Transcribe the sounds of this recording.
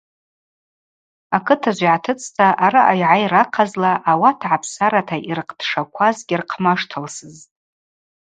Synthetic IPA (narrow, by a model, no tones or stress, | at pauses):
akʰɨtʰaʒʷiʕatʰɨt͡sʼʰtʰaʔaɾaʔajʕajɾaqʰazlaʔawatʰʕapʰsaɾatʰaʔirqʼʰd̥ʂakʷʰazɡʲirqʰmaʂtʰalsɨz